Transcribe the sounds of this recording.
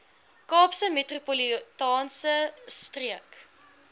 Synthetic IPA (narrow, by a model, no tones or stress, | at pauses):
kɑːpsəmetropolitɑːnsəstriək